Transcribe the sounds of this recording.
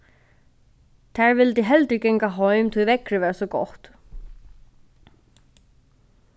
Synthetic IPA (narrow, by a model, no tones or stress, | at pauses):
θʰɛɾvɪlt̪ɪɦɛlt̪ɪcɛjŋkaɦoːɥmt̪ʰuðvɛkɾʏvɛːɾasɔko̰wht̪